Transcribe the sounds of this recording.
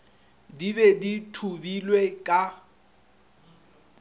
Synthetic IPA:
dibɛditʰubilwekʼa

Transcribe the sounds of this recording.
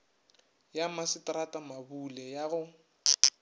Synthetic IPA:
jamasɪtʼratʼamabulɛjaɣʊ

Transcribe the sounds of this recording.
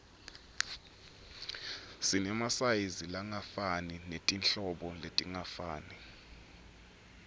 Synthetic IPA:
sinɛmasajizilaŋafaninetʼinɬɔɓɔletʼiŋafaːni

